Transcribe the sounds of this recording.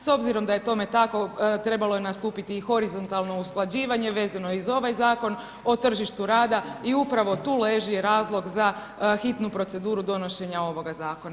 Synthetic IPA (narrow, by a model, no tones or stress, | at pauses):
so̞bziɾo̞md̪aje̞t̪o̞me̞t̪ako̞t̪ɾe̞balo̞je̞nast̪uːpit̪ixo̞ɾizo̞nt̪alˠno̞usklˠad͡ʑiːʋaɲe̞ʋe̞ːzanoizo̞ʋajzaːko̞n | o̞t̪r̩ʒiʃt̪uɾaːd̪aiupɾaʋo̞t̪uːle̞ʒijeɾaːzlˠo̞ɡza | xit̪nupɾo̞t̪se̞d̪uːɾud̪o̞no̞ʃe̞ɲao̞ʋo̞ɡazaːko̞na